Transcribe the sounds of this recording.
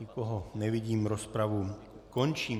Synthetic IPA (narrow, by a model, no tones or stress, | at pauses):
ikɔɦɔnɛʋiɟiːmɾospɾaʋu | kɔnt͡ʃiː